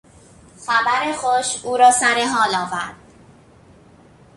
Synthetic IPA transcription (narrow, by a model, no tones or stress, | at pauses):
xæbæɾexoʃuːɾɒːsæɾeɦɒːlɒːvæ̰ɾd̪̥